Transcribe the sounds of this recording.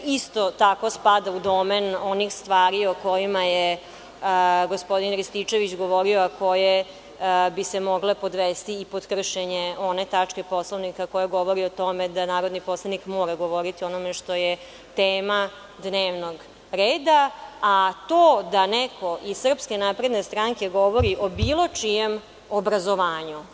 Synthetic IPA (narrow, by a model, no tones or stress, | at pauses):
ist̪o̞t̪ako̞spad̪aud̪omenonixst̪ʋaːɾioko̞jimaje | əɡo̞spo̞d̪inkɾist̪it͡ʃe̞ʋit͡ɕɡo̞ʋo̞ɾioako̞je | bisemoɡlepo̞d̪ʋest̪iːpod̪kr̩ʃeɲeo̞ne̞t̪at͡ʂke̞po̞sloʋnikako̞jeɡo̞ʋo̞ɾiot̪o̞med̪anaːɾo̞d̪nipo̞slˠanikmoːɾaɡo̞ʋo̞ɾit̪io̞no̞me̞ʃt̪o̞je | t̪eːma | d̪neːʋno̞ɡ | ɾeːd̪aː | t̪oːd̪anɛkʰo̞ʔizsr̩pske̞napɾe̞d̪nest̪ɾaŋke̞ɡo̞ʋo̞ɾiʔo̞biːlˠo̞t͡ʃijem | obɾazo̞ʋaːɲu